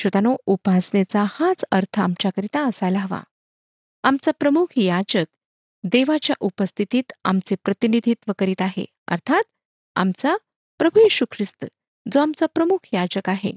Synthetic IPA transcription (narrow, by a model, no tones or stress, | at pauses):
ɕʋət̪anoupasnet͡sahãt͡səɾt̪ʰəamt͡ɕakəɾit̪aəsajlaɦəʋa̰ | amt͡sapɾəmukʰjad͡ʑək̚ | d̪eʋat͡ɕja̰ʔupəst̪ʰit̪iːt̪a̰mt͡sepɾət̪inid̪ʱiːt̪ʋəkəɾiːt̪aɦḛ | ə̰ɾt̪ʰat̪̚ | a̰mt͡sa | pɾəbʱujiɕukʰɾist̪ə | d͡zoamt͡sapɾəmukʰjad͡ʑəkaɦḛ